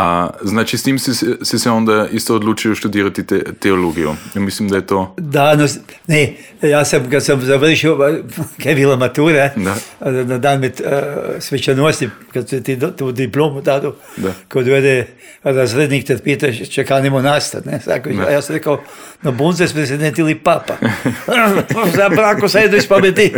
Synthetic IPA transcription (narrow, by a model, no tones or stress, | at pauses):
aznaːt͡ʃist̪iːmsiɛsisɛoːnd̪aist̪oːd̪luːt͡ʃioʃt̪ud̪iːɾat̪iɛt̪ɛoloːɡijumislimd̪ajɛt̪oːd̪anone | jaːsamkad̪samzaʋr̩ʃiokeʋilamat̪uːɾe | nad̪aːnmet̪sʋɛt͡ʃanuɔsʲnʲikat̪t̪it̪ud̪iplʲˠomut̪aːd̪u | kod̪uɛd̪ɛ | ɾazɾed̪nʲiːkt̪at̪piɛt̪aʃt͡ʃɛkaːnimonast̪a̰nesa̰kua̰jasɾekawnobunzespɾezʲid̪ent̪ilˠipapa | osabɾaːkosajd̪oispabet̪i